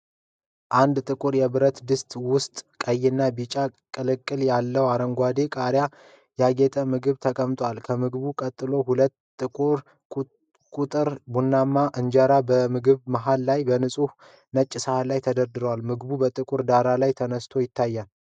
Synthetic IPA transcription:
ʔand̪t̪ʼɨkʼuɾjɛβɨɾət̪d̪ɨst̪ʼwʊst̪ʼkʼəjːɪnːabit͡ʃʼakʼɨlɨkʼːɨljalːəwaɾəŋɡʷad̪e̞kʼaɾja | jaɡet̪ʰʼəmɨɡɨβt̪ʰəkʼəmt̪ʼwalkʰəmɨɡɨβukʼət̪ʼːɨlo̞hulət̪ː | ɨuɾ | kʼut̪ʼɨɾbunːamːaʔɨnd͡ʒəɾabəmɨɡɨβməɦalːajbənɨsʼuh | nət͡ʃʼːɪsəhalajt̪ʰəd̪əɾd̪ɨɾəwalmɨɡɨbubət̪ʼɨkʼuɾd̪aɾalajt̪ʰənəst̪ʰo̞jɪt̪ʰːajːal

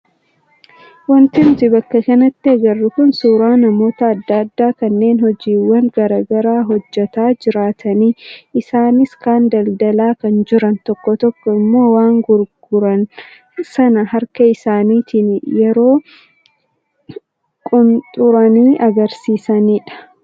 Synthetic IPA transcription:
wɐnt̪ɪmt̪ɪbɐkːɐkɐnɐt̪ːɪɐɡɐrːɪkʊnsuːɾaːnɐmo̞ːt̪ɐːd̪ːaɐd̪ːaːkɐnːe̞ːnhɔd͡ʒiːwːɐŋɡɐɾaːɡɐɾaːɦɔd͡ʒːɛt̪aːd͡ʒɪɾaːt̪ʰɐniːɪsaːnɪskaːnd̪ɐld̪ɐlaːkɐnd͡ʒɪɾɐnt̪ɔkːɔt̪ɔkːɔɪmːo̞ːwaːŋɡʊɾɡʊɾɐn | sɐnɐɦɐɾkɐɪsaːniːt̪ɪnjɛɾo̞ː | kʼʊnt̪ʼʊɾɐniːʔɐɡɐɾsiːsɐniːᶑɐ̥

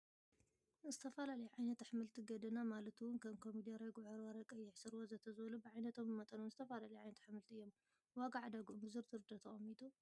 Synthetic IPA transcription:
zɨt̪ʰɐfɐlalɐjuʕajnɐt̪ħmɨlt̪ʰiɡɐd̪ɐnamalɐt̪wʊnkʰɐmkʰomid̪ijaɾɐɡʕoɾwɐɾɐkʼɐjːɪʕsɨɾwozɐt̪ʰɐzβɐlubɨʕajnɐt̪ʰomɨmɐt̪ʼɐnonzɨt̪ʰɐfalalɐjʕajnɐt̪ħmɨlt̪ʰiɨjːom | waɡaʕd̪aɡumbɨzɨɾt̪ʰɨɾɨd̪ɐt̪ʰɐʔɐmit̪ʰu

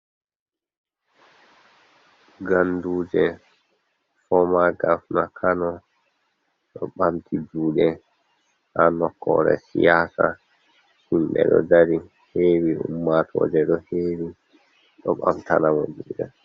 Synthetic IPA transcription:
ɡanduːd͡ʒɛ | fɔmaɡafnakʰanɔ | ɗɔɓamtʰid͡ʒuːɗɛ | hanɔkːɔɾɛ̰sijaːsa | himɓɛ̰ɗɔdaɾi | heːwiṵmːatʰɔːd͡ʒɛɗɔheːwi | ɗɔɓamtanamɔd͡ʒuːɗɛ

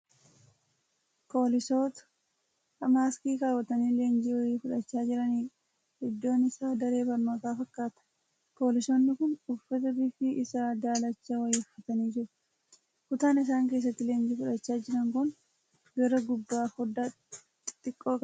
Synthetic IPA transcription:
po̞ːlɪsoːt̪ɐ̥ | ɐmaːskiːkaːwɐt̪ɐniːle̞ːnd͡ʒiːwɐjiːfʊᶑɐt͡ʃːaːd͡ʒɪɾɐniː | hɛd̪ːo̞ːnɪsaːd̪ɐɾe̞ːbɐɾmɐkaːfɐkːaːt̪ɐ̥ | po̞ːlɪso̞ːnːɪkʊnʊfːɐt̪ɐbɪfɪʔɪsaːd̪aːlɐt͡ʃːɐwɐjiːʊfɐt̪ɐniːd͡ʒɪɾ | kʊt̪aːnɪs̬aːŋk̬e̞ːs̬ːɐt̪ːɪle̞ːnd͡ʒiːfʊᶑɐt͡ʃːaːd͡ʒɪɾɐŋkʊn | ɡɐɾɐɡʊb̪ːaːfɔd̪a | t̪ʼɪkʼːo̞ːkʼɐ

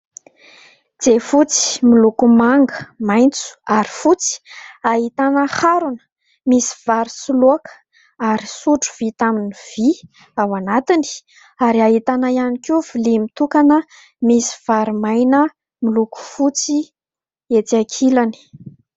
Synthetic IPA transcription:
d͡z̥efut͡si̥milukumaŋɡəmajnt͡su̥aɾi̥fut͡si̥aɦit̪anəhaɾunə̥ | misi̥v̥aɾisuloakə̥ | aɾisuʈ͡ʂu̥v̥it̪aminiv̥i | awanat̪ini̥ | aɾiaɦit̪anajanikʲuvulimit̪ukanə | misi̥v̥aɾumajnə | miluku̥fut͡si | et̪iakʰilani̥

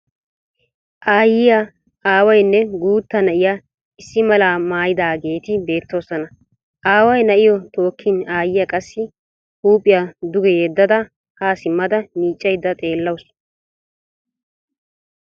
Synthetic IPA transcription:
ʔaːjɪja | aːwɐjnːɛɡuːt̪ːɐnɐʔɪja | ɪsːɪmɐlaːmaːjɪd̪aːɡe̞ːt̪ɪbe̞ːt̪ːo̞ːsɔnɐ | ʔaːwɐjnɐʔɪjɔt̪o̞ːkʰːɪnaːjɪjɐkʼɐsːɪ | huːpʼːɪjɐd̪ʊɡɛjɛd̪ːɐd̪ɐ | haːsɪmːɐd̪ɐniːt͡ʃʼːɐjd̪ːɐt̪ʼe̞ːlːɐws

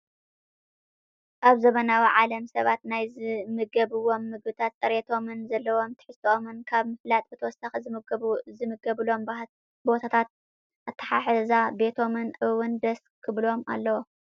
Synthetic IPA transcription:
ʔaβzɐβɐnawiʕalɐmsɐβat̪najzɨmɨɡɐβɨwo̞mːɨɡbɨt̪ʰat̪sʼɐɾet̪ʰo̞mɨnzɐlːɐwo̞mt̪ʰɨ̥ħɨst̪ʰoʔomɨnkʰaβmɨflat̪ʼbɨt̪ʰɐwɔsaxɨzɨmɨɡɐβuzɨmɨɡɐβlo̞m | bo̞t̪ʰat̪ʰat̪̚ | ʔat̪ʰːɐ̥ħaħzabe̞t̪ʰo̞mɨnʔɨwɨnd̪ɐs | kʰɨβlo̞ma̰lːɐwo

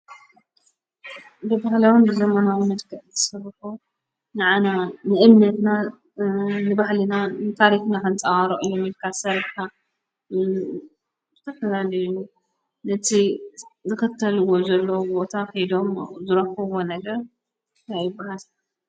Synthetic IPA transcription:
bɨbahlɐwunbɨzɐmanawmɐd̪kʰɐʔt̪ʰɐ̥sɐrħu | nɨʕananɨʔɨmnɐt̪na | nɨbahlɨnanɨt̪ʰaɾixnakɨnt͡sʼawaɾoʔɨjːomilkʰasɐɾbkʰa | zɨt̪ʰɐfɐlalɐju | nɐt̪ʰizɨxɨt̪ʰːɐlɨwo̞zɐlːɐwbo̞t̪ʰaxjd̪o̞mzɨɾɐkːɐwonɐɡɐɾ | tajɨbːahal

